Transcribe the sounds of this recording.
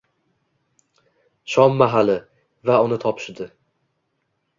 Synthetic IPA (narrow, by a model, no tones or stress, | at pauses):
ʃɒmːaɦalɪ | vaʊnɪt̪ʰɒpʃɪd̪ɪ